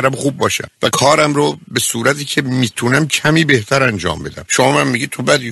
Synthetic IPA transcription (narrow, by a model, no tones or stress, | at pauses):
ɾæbxuːbːɒːʃæ̰mvækʰɒːɾæmɾobe̞suːɾæt̪ʰiːcʰe̞miːt̪ʰunæmcʰæmiːbe̞ht̪ʰæɾænd͡ʒɒ̰ːmbe̞d̪æ̰mʃomɒːmæmːiɟit̪ʰobæd̪i